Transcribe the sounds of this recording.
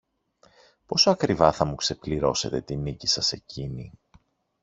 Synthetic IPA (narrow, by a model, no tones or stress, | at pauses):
po̞soɐkɾivɐθɐmukse̞pliɾo̞se̞t̪e̞t̪inicisɐse̞cini